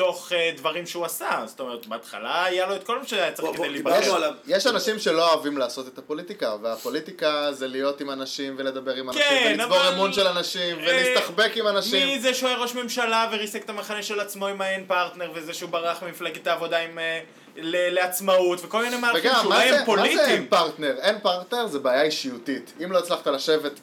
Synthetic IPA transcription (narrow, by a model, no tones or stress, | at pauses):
t̪o̞χed̪vaʁimʃeuasazo̥t̪o̞me̞ʁet̪beat̪χa̰laːjalo̞et̪ko̞lmeʃaaat͡skd̪ejliblavjeʃanaʃimʃe̞loaːvimlaːso̞t̪et̪apo̞lit̪ikaveapo̞lit̪ikazelijo̞t̪imanaʃimvele̞d̪abe̞ʁimankeivoʁemunʃelanaʃimvelist̪aχbe̞kimanaʃmiizeʃueʁo̞ʃme̞mʃalaveʁisekt̪amaχaneʃelat͡smo̞imaenpaʁt̪ne̞ʁvezeʃeubaʁaχmimiflaɡet̪aːvo̞daim | leleat͡smautveko̞lminejmalveɡamːaazpolmaieenpaʁt̪ne̞ʁenpaʁt̪ne̞ʁzebeaːjaiʃiutitimlo̞it͡slaχt̪alaʃe̞ve̞t